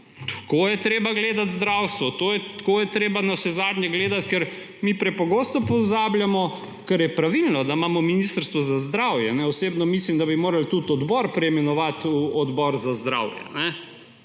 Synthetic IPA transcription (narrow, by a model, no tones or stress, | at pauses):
t̪koːjɛt̪ɾeːbaɡleːd̪at̪zd̪ɾawst̪ʋɔt̪oːjɛt̪koːjɛt̪ɾeːbanaʃɛzaːd̪ɲʲɛɡleːd̪at̪kɛɾ | miːpɾɛpɔɡoːst̪ɔpɔzaːbljamɔ | kɛɾjɛpɾaʋilnɔd̪amaːmɔminist̪əɾst̪ʋɔzazd̪ɾawjɛnɛɔseːbnɔmislimd̪abimoːɾalt̪ut̪ɔd̪bɔɾpɾɛjmɛnɔʋat̪uɔd̪bɔɾzazd̪ɾa̰ːwjɛ̰nɛ